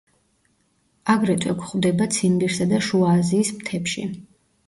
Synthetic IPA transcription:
aɡɾɛt̪ʼwɛkʰʷχvd̪ɛbat̪sʰimbiɾsad̪aʃuaziːsmt̪ʰɛpʃḭ

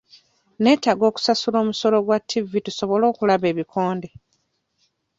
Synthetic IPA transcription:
ne̞ːtaɡo̞ːku̥sasulo̞ːmuso̞lo̞ɡwatʰːivːituso̞βo̞lo̞ːkulaβe̞ːβikʰo̞ːnde

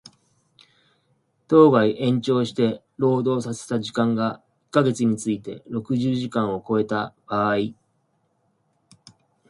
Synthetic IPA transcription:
t̪o̞ːɡaiʔẽ̞ɲ̟t͡ɕo̞ːɕi̥t̪e̞ | ɾo̞ːd̪o̞ːsase̞̥t̪aʑikãŋɡa | ikːaɡe̞t͡sɨɲ̟it͡sɨit̪e̞̰ɾo̞kɯ̟ʑɨːʑikãɰ̃o̞ko̞e̞t̪ab̥aːi

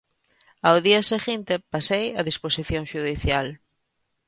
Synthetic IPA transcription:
awðiaseɣint̪epasejaðisposiθjõŋʃuðiθjal

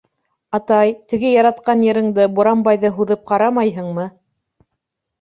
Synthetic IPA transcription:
ɑt̪ɑjt̪ɘ̆ɡɘjɑɾɑt̪̚qɑnjɘ̆ɾɘ̆ŋd̪ɤbuɾɑmbɑjðɤɦuðɤp̚qɑɾɑmɑjɦɤɴmɤ

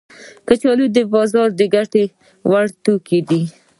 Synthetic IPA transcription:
kət͡ʃɑlud̪əbɑzɑɾd̪əɡaʈe | waɽt̪oked̪i

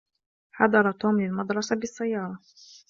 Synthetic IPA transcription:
ħɑ̰d̪ˤɑɾˤɑt̪uːmlɪlmɑd̪ɾˤɑsabɪsːajːɑːɾˤɑ

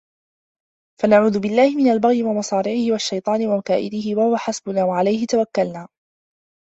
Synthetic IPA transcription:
fanaʕuːðʊbɪlːaːhɪmɪnalbaɣjɪwamɑsˤɑːɾɪʕɪhɪwaʃːajt̪ˤɑːnɪwamakaːʔɪd̪ɪhɪwahʊwaħasbʊnaːwaʕalajhɪt̪awakːalnaː

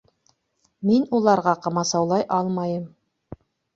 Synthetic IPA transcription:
minulˠɑɾʁɑqɑmɑsɑwlˠɑjʔɑlˠmɑjɤm

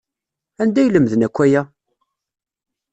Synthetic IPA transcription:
ænd̪æjləmðənækʷːæjæ

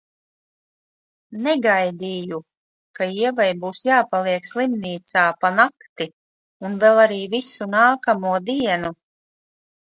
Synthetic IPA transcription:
nɛɡajd̪iːju | kaiɛvajbuːsjaːpalˠiɛkslˠimniːt̪saːpanakt̪i | unvɛlˠaɾiːvisunaːkamuɔd̪iɛnu

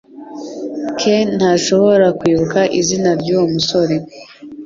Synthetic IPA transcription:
kʰen̥haʃo̞βo̞ɾakwiːβukaʔizinaɾɟuwmuso̞ɾe̞

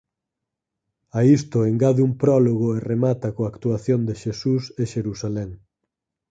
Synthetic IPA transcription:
aist̪oeŋɡaðumpɾɔloɣoeremat̪akoakt̪uaθjond̪eʃesuseʃeɾusalɛŋ

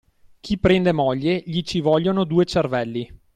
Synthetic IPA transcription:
k̟ʰipːɾɛnd̪emɔʎːeʎit͡ʃivɔʎːonod̪uːet͡ʃervɛlːi

